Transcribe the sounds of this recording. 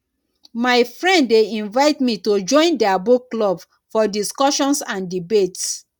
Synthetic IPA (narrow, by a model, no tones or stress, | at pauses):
maɪfɹɛ̃nddeĩnvaɪtmitod͡ʒɔ̃ɪ̃ndɛabukːlɔb | fɔdiskɔʃɔ̃nsãndibets